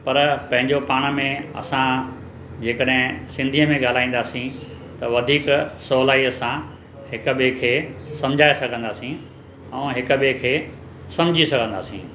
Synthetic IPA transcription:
pɐɾpɐ̃ɦɪ̃ɲd͡ʑopaːɽ̃mẽɐ̰sã | d͡ʑeːkəɗɦɪ̃sɪ̃nd̪ʱijəmẽɠaːl̤aːĩːnd̪aːsĩ | t̪ɐʋɐd̪ʱiːksɔːlaːiəsã | hɪkʊ̆ɓekʰeːsɐ̃md͡ʑʱaːesɐɡʱə̃nd̪aːsĩ | ɛ̃ːɦɪkʊ̆ɓekʰeː | sɐ̃md͡ʑʱisɐɡʱə̃nd̪aːsḭ̃ː

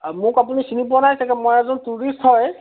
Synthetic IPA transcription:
mʊkapunisinip̬uanajsɛkɛmɔjɛzɔntuɹisthɔj

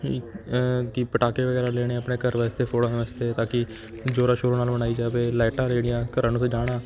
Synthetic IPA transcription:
kɪpəʈaːkeːʋəɡɛːɾaːleːɽ̃eːəpɳeːkəɾʋɛːst̪eːpʰoːɽãːneət͡ʃt̪eːt̪ãːkɪ | d͡ʒoːɾaːʃoːɾoːnaːlbəɽaːiːd͡ʒaːʋeːlaːɪʈãːɾeːɽɪjãːkəɾãːnũːsd͡ʒaːɽ̃aː

